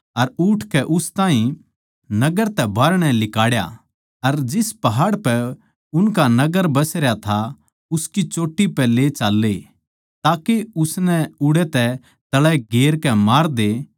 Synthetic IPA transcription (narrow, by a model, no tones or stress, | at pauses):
ɐɾʊːʈʰkɛʔʊst̪ãːɦĩ | nɐɡəɾt̪ɛbaːɾɽ̃ɛ̃lɪkaːɽja̰ | ɐɾd͡ʒɪspɐɦaːɽpɛ | ʊnkanɐɡəɾbɐsɾjat̪ʰa | ʊskit͡ʃoːʈːipɛːlet͡ʃaːlːe | t̪aːkeʊsnɛʊɽɛt̪ɛ | t̪ɐɭɛɡeːɾkɛmaːɾd̪e